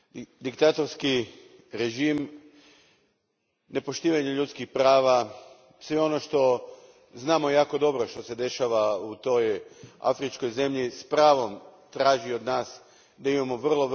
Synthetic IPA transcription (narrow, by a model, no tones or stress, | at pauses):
d̪ikt̪at̪o̞ɾski | ɾe̞ʒim | ne̞po̞ʃt̪iːʋaɲeʎut̪skixpɾaːʋa | sʋeo̞no̞ʃt̪o̞ | znaːmo̞jaːko̞d̪o̞bɾo̞ʃt̪o̞se̞d̪e̞ʃaʋaut̪o̞ja̰fɾit͡ʃko̞jze̞mʎispɾaːʋo̞mt̪ɾaːʒio̞d̪naːs | d̪aimamo̞ʋr̩lˠo̞ʋ